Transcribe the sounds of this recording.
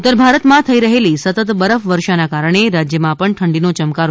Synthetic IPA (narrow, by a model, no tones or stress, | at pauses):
ut̪ːəɾbʱaɾət̪mãt̪ʰəiɾəɦelisət̪ət̪bəɾəfʋəɾʃanakaɾəɳ̃eɾad͡ʒjəmãpəɳʈʰəɳɖinot͡ʃəmkaɾ